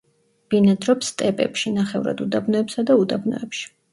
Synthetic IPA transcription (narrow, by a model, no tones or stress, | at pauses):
b̥inad̪ɾɔpst̪ʼɛpʼɛ̰pʃinaχɛvɾa̰d̪ud̪abnɔɛpsad̪aud̪abnɔ̰ɛpʃi̥